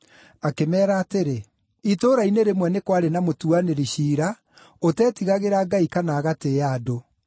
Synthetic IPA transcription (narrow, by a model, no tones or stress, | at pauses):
akemɛːɾaːteɾe | itoːɾaineɾemwɛnekwaɾenamotuaneɾiɕiːɾa | otɛːtiɣaɣeɾaːɡaikanaːɣateado